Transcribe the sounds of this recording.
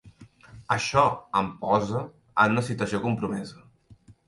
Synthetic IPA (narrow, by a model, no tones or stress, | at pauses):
əʃɔəmpɔzə | ənunəsit̪uəsiokumpɾumɛzə